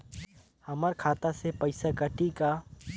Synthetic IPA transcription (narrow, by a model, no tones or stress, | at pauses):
hɐməɾkʰaːt̪asepɐɪsakəʈika